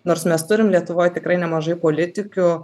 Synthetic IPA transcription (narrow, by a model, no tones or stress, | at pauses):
noːrsmʲɛst̪ʊɾʲɪmlʲiɛt̪ʊʋoːjt̪ʲɪkɾɐɪnʲɛmɐʒɐɪpoːlʲɪt̪ʲɪkʲʊ